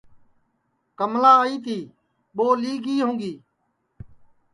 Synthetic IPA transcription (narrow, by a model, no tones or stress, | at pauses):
kəmlaːiːt̪ʰiː | ɓoːliːɡiːɦũːɡiː